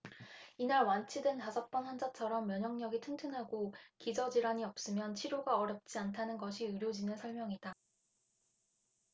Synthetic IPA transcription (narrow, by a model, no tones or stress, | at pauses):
inaɭwant͡ɕʰidɯntasʰʌp̚p͈ʌnhand͡ʑat͡ɕʰʌɾʌmːjʌɲɦʌŋɲʌɡitʰɯŋtʰɯŋɦaɡokid͡ʑʌd͡ʑiɾaɲiʌp̚s͈ɯmjʌnt͡ɕʰiɾjoɡaʌɾjʌp̚t͡ɕ͈iantʰanɯnɡʌɕʰiɯɾjod͡ʑinɯnsʰʌɭmjʌŋida